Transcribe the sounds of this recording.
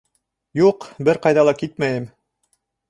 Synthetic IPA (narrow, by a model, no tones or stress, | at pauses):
juqbɘɾqɑjðɑlˠɑkit̪mæjɘm